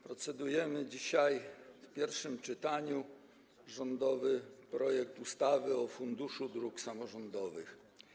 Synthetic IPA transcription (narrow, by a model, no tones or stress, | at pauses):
pɾɔt̪sɛd̪ujɛmɘd͡ʑiɕajfpʲjɛɾfʂɘmt͡ʂɘt̪aɲu | ʐɔnd̪ɔvɘpɾɔjɛk̚t̪ust̪avɘɔfund̪uʂud̪ɾuksamɔʐɔnd̪ɔvɘx